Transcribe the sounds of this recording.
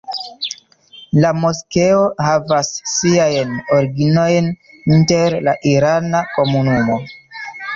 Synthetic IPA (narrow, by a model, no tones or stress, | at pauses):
lamoske̞o̞havasːiajnoɾɡino̞jn | inte̞ɾlaʔiɾanako̞munumo̞